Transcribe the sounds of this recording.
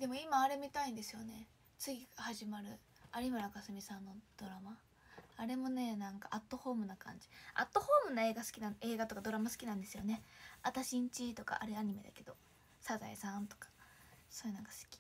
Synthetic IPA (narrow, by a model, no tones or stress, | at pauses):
d̪̥e̞mo̞imaːɾe̞mʲit̪aĩnd̪e̞sɨjo̞ne̞ | t͡sɨɡʲihaʑimaɾɯ̟ | aɾʲimɯɾakasɨmʲisãnːo̞d̪̥o̞ɾamaː | ɾe̞mo̞ne̞nãŋka̰ʔat̪ːo̞ho̞ːmɯ̟nakã̰ɲ̟d͡ʑi̥a̰t̪ːo̞ho̞ːmɯ̟nae̞ːɡasɨ̥kʲinãe̞ːɡat̪o̞kad̪o̞ɾamasɨ̥kʲinãnd̪e̞sɨjo̞ne̞at̪aɕĩɲ̟t͡ɕit̪o̞ka̰ʔa̰ɾeaɲ̟ime̞d̪a̰ke̞d̪o̞ | saza̰isãnt̪o̞̥kḁ | so̞ːjinãŋkasɨ̥kʲi̥